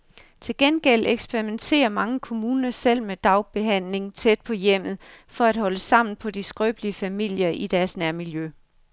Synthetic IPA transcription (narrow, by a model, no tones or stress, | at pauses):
t͡sʰe̝lɡ̥enɡ̥el̰eɡ̥sb̥eʁiment͡sʰe̝̰ːɐmɑ̈ŋəkʰo̝muːnɐsel̰med̥ɑ̈ʊb̥e̝ɦæn̰le̝ŋt͡sʰed̥̚pʰɒ̽jem̰ð̞̩ˠfɒ̽æd̥ɦɒ̽ləsɑ̈m̰n̩pʰɒ̽disɡ̥ʁœːb̥liəfæmil̰jɐʔid̥æɐsnæɐmiljø